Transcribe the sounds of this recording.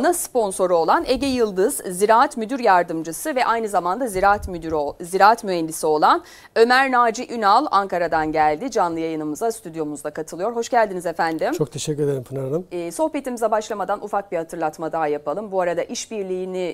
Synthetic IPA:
naspo̞nso̞ɾuo̞lˠane̞ɟejɯlˠd̪ɯz̥ːiɾaːat̪myd̪yɾjaɾd̪ɯmd͡ʒɯsɯvɛʔajnɯzamand̪aziɾat̪myyɾziɾaːat̪myɦɛnd̪isio̞lˠan | ø̞mæɾnaːd͡ʒiʔynalˠaŋkaɾad̪anɟælʲd̪id͡ʒanlˠɯjajɯnɯmɯzast̪ʰyd̪jo̞muzd̪ˠakʰat̪ʰɯlˠɯjo̞ɾɦo̞ʃɟælʲd̪inizefænd̪imt͡ʃʰo̞k̚t̪ʰeʃɛcʲːyɾed̪eɾimpʰɯnaɾalˠɯmːso̞hpe̞t̪ʰimizɛbaʃlˠamad̪anʔufak̚bihat̪ʰɯɾlˠat̪mad̪aːjapʰalˠɯmbuaɾad̪aʔiʃbiɾlʲiːni

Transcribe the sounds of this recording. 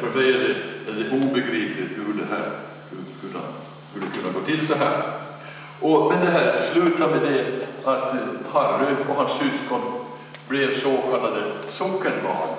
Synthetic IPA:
fɔɾbɛɪad̪ɛɛd̪ɛʔuːbəɡɾiːplɪt̪hʉd̪ɛɦæ̰ːɾ | kʰɵnːa̰ | skɵlːəkʰɵnːaɡoːt̪ɪlsɔɦæːɾ | ʔɔmɛnd̪ɛɦæːɾslʉːt̪amɛd̪ɛat̪hɑɾːʉpʰɔɦanssyːskʰɔm | blɛsoːkʰɑlːad̪əsɔkːəɳbɑ̰ːn

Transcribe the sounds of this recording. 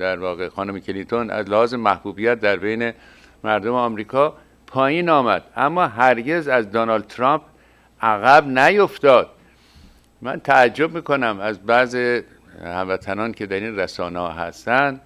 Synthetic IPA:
d̪æɾvɒːɣexɒːnomecʰelint̪ʰonæ̰zlæhɒːzemæhbuːbijæt̪̚d̪æɾbejne̞ | mæɾd̪omeɒmɾiːkʰɒː | pʰɒːjiːnɒːmæd̪̥ʔæmːɒːɦæɾɟe̞zæzd̪onɒːld̪̚t̪ʰɾɒmp̚ʰ | ʔæɣæbnæjoft̪ɒːd̪̥ | mæ̰nt̪ʰææd͡ʒːo̞b̚miːko̞næmæzbæzi | hæmvæt̪ʰænɒːncʰe̞d̪æɾinræsɒːnehɒɦæ̰st̪ænd̪̥

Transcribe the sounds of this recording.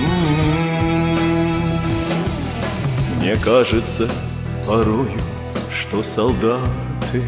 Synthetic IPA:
mnʲɛkaʐɨt̪sə | pɐɾujʊ | ʂt̪ɔsɐlˠd̪a | t̪ʰɨ

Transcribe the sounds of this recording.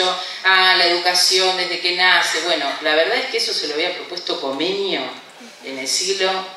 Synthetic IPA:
o | alae̞ðukasjond̪e̞ɦðekenaseβwe̞nolaβeɾðaðehkeeso̞seloaβiapɾopwe̞st̪o̞ko̞menjo | enelsilo

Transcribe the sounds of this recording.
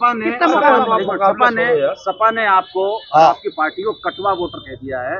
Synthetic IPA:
paneɐɐaɐpanesɐpaneaːp̚koaːp̚kipaːɾʈikokɐʈʋaʋoːʈəɾk̪eːd̪ijaɦɛː

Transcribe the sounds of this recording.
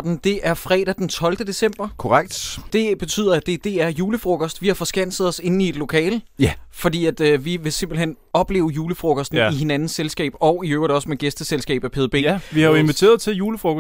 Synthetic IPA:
d̥n̩d̥e̝ʔæɐfʁɛ̰ːɾ̥æd̥ent͡sʰɒ̽ld̥əd̥e̝sem̰b̥ɐkʰoʁaɡ̥d̥d̥e̝b̥e̝t͡sʰy̰ːð̰ˠɐæd̥e̝d̥e̝æɐjuːləfʁoɡ̥ʰɒsd̥ʋihɑ̈fɒ̽sɡ̥æn̰səð̩ˠɒ̽se̝nn̩ie̝d̥lo̝kʰɛ̰ːlfɒ̽d̥ḭːæd̥ʋiʋe̝se̝m̰b̥l̩hen | ɒ̽b̥le̝̰ːʊjuːləfʁoɡ̥ɒsd̥n̩ihe̝nænn̩selsɡ̥ɛ̰ːb̥ɒ̽ʊiøːʊɐdɒ̽smeɡ̥esd̥əselsɡ̥ɛ̰ːb̥æpʰeðˠbe̝̰ːʋiɑ̈jo̝e̝nʋit͡sʰe̝̰ːɐðˠt͡sʰe̝juːləfʁoɡ

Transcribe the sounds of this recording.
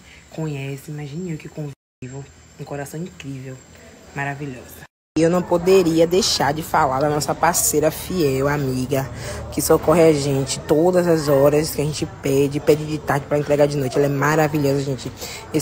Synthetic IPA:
kõɲɛsɪimaʒĩnukɪkõv | ivʊ | ũkoɾasɐ̃w̃ĩkɾivewmaɾaviʎɔzɐ | ewnɐ̃w̃pod̪eɾiɐd̪ejʃaɾd͡ʒɪfalaɾd̪ɐnɔsɐpasejɾɐfiɛwamiɡɐkɪsokɔɦɪaʒẽt͡ʃɪ̥t̪od̪ɐzɐzɔɾɐskɪaʒẽnt͡ʃɪpɛd͡ʒɪpɛd͡ʒɪd͡ʒɪt̪aɾd͡ʒɪpɾɐẽt̪ɾɛɡaɾd͡ʒɪnojt͡ʃɪɛlɐɛmaɾaviʎɔzɐʒẽnt͡ʃɪ | e

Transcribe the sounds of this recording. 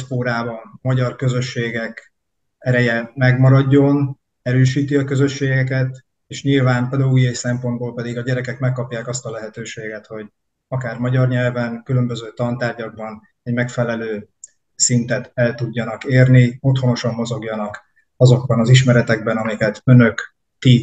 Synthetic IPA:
ʃpoːɾaːbɒnmɒɟɒrkø̞zø̞ʃːeːɡɛk | ɛɾɛjɛmɛɡmɒɾɒɟːo̞n | ɛɾøːʃiːt̪iɒkø̞zø̞ʃːeːɡɛkɛt̪ | eːʃɲilvaːmpeld̪lujɛjsɛmpo̞nd̪̚boːlpɛd̪iɡɒɟɛɾɛkɛkmɛkːɒpjaːkɒst̪ɒlɛɦɛt̪øːʃeːɡɛt̪ho̞ɟ | ɒkaːrmɒɟɒrɲɛlvɛŋkylø̞mbø̞zøːt̪ɒnt̪aːrɟɒɡ̚bɒn | ɛɟmɛkfɛlɛløː | sint̪ɛt̪ɛlt̪uɟːɒnɒkeːrnio̞t̪ho̞no̞ʃɒmːo̞zo̞ɡjɒnɒk | ɒzo̞ɡbɒnɒziʃmɛɾɛt̪ɛɡ̚bɛnɒmikɛt̪ø̞nø̞k | t̪ːi

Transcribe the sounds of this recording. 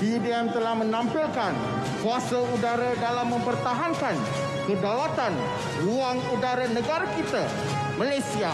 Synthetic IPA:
didiɛmt̪əlahmə̃nãmpilkan | kuasaudaɾadalamːə̃mpərt̪aɦankan | kədawat̪an | ruaŋudaɾanəɡaɾakit̪a | malajsia

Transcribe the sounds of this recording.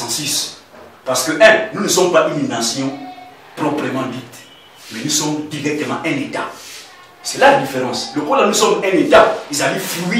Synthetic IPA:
sis | paɾsə̥køʔɛlnũnəsɔmpaʔynĩvãsjɔ̃ | pɾɔpɾemɑ̃dit̪ | mɛnũsɔmdiɾɛk̚t̪əmãʔɛ̃neta | sɛladifeɾɑ̃slokolanusɔmɛ̃netaizaliflui

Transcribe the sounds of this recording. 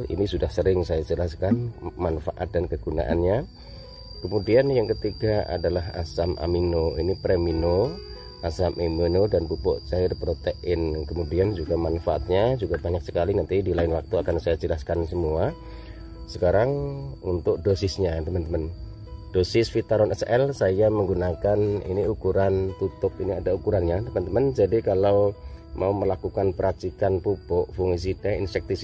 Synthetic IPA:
ḭnisudahsəɾɪŋsajad͡ʒəlaskanmanfaʔat̪̚dankəɡuna̰ʔa̰nɲa | kəmudianjaŋkət̪iɡaa̰dalaɦa̰samʔa̰minoinipɾemino | ʔasamʔeminodanbupɔ̰ʔt͡ʃaɪrpɾot̪eʔɪnkəmudiand͡ʒuɡamanfaʔa̰t̪̚ɲad͡ʒuɡabaɲak̚sə̥kalinant̪idilaɪnwak̚t̪uakansajad͡ʒəlaskansəmua | səkaɾaŋṵnt̪ʊk̚dosɪsɲat̪əmant̪əman | d̥osɪsfit̪aɾɔnɛsɛlsajaməŋɡunakanḭniukuɾant̪ut̪ʊp̚iniadaukuɾanɲat̪əmant̪əmand͡ʒadikalawmʔauməlakukanpəɾat͡ʃikanpupɔʔfuŋis̬idɛinsɛk̚t̪is

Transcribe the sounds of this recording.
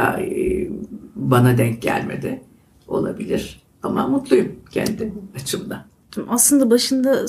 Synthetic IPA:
a̰ | banad̪ɛɲc̚ɟæ̰lʲme̞̰d̪ɪ | o̞lˠa̰bilʲiɾ̥ | ama̰mut̪lˠujumcʰɛ̰nd̪ɪat͡ʃʰɯnd̪a | mʔaslˠɯnd̪abaʃɯnd̪a

